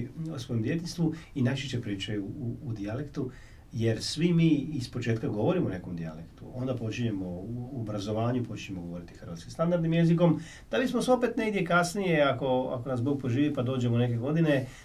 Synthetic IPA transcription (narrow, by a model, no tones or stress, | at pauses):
osʋojemd̪ʲje̞t̪inst̪ʋuinajt͡ʃeʃt͡ɕepɾiːt͡ʃajuːd̪ialekt̪u | je̞ɾsʋimiːispo̞t͡ʃe̞ːt̪kaɡo̞ʋo̞ɾimone̞ko̞md̪ia̰lekt̪uo̞nd̪apo̞t͡ʃiɲemo̞uobɾazo̞ʋaːɲupo̞t͡ʃiɲe̞mo̞ɡo̞ʋo̞ɾit̪i̥xərʋat̪kimst̪and̪aɾd̪nimje̞ziko̞m | d̪̥abismoseo̞pe̞t̪neɡd̪jekasnije̞ako̞a̰ko̞nasb̪oɡ̚poʒiːʋipad̪oːd͡ʑemone̞ke̞ɡo̞d̪ine